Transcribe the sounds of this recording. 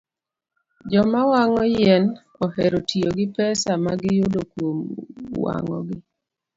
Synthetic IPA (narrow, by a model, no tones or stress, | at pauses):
d͡ʒɔmawaŋɔjɛn | ɔɦɛɾotʰioɡɪpɛsamaɡɪjʊdokwomwa̰ŋɔ̰ɡɪ